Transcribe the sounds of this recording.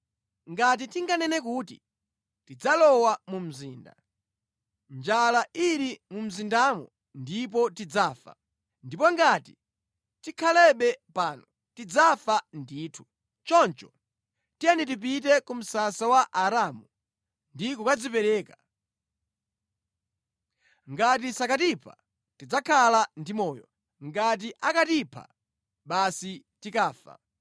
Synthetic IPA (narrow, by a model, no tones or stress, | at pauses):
ŋɡat̬itiŋɡanɛnɛk̬uːtḭ | tid͡zalɔwamum̩zḭːnda̰ | nd͡ʒalaiɾimum̩zindamɔ̰ | ndip̬ɔtid͡zaːfa̰ | ndipɔŋɡati | tikʰalɛɓɛpaːnɔ | tid͡zafandiːtʰu̥ | t͡ʃɔnt͡ʃɔ | tianit̬ip̬it̬ɛkum̩sasawaʔaɾamu | ndikukad͡zipɛɾɛːka | ŋɡat̬isakatipʰa̰ | tid͡zakʰalandimɔːjɔ̰ | ŋɡat̬iʔakatipʰa̰ | ɓasitikaːfa̰